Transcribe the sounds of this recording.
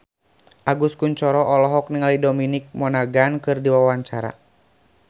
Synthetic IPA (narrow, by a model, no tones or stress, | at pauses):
ʔaɡuskuɲt͡ʃɔɾɔʔɔlɔɦɔk̚niŋalidɔminik̚mɔnaɡankɨrdiwawaɲt͡ʃaɾa̰